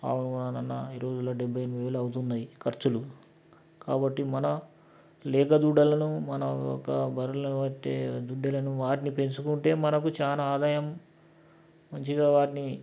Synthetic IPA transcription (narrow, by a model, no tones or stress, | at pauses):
a̰ːununɐnɐnːɐiɾo̞ːd͡ʒulːoɖebʱːɐjɐnʋeːlɐɐwut̪und̪ɐjikɐɾt͡ʃulu | kaːbɐʈːimɐnɐ | lɛːkɐd̪uɖɐlɐnumɐnɐɔ̰kːɐbɐɾɐlɐɐt̪ḛːd̪uɖːelɐnuʋaːʈinipe̞nsukuɳʈe̞ːmɐnɐkut͡ʃaːnaːaːd̪aːjɐm | mɐɲt͡ʃiɡaːʋaːʈini